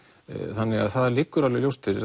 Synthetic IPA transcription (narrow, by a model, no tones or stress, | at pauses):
θanːɪɣaðθaðalɪːkːʏɾalɪljowst̪ɪɾɪ̰ɾ